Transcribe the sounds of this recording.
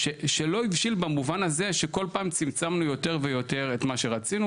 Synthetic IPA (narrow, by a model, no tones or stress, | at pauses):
ʃeʃelo̞ivʃilbamuvanaze̞ʃeko̞lpaːmt͡simt͡samnujo̞te̞ʁvejo̞te̞ʁetmaʃe̞ʁat͡sinu